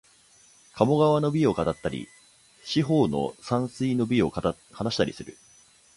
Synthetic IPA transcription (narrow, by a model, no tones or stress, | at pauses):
kʰamo̞ɡaβano̞bʲio̞kat̪at̪ːaɾʲḭ | ɕiɦo̞ːno̞̰sãɰ̃sɨino̞bʲio̞ | hanaɕi̥t̪aɾʲisɨɾɯ̟